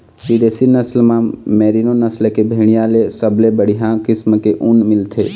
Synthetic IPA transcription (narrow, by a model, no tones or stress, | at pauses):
ʋid̪eːsinəslmãmɛːɾinonəslkebʱeːɽ̃ijalesəblebəɽ̤iɦãkɪsmkeʔunmɪlt̪ʰe